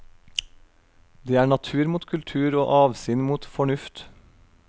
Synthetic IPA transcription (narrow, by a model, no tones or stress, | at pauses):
d̪eːæːɳɑt̪ʰʉːɾmuːt̪kʰʉlt̪ʰʉːɾoːʔɑːʋsiːnmuːt̪fɔɳʉft̪